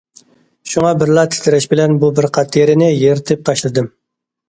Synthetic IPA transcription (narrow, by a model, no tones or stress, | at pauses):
ʃuŋɑbɪɾlˠɑt̪ʰɪ̥t̪ʰɪɾɪʃbɪlɛnbubɪɾqʰɑt̪ʰjeɾɪnɪjeɾt̪ʰɪp̚t̪ʰɑʃlˠɨd̪ɨm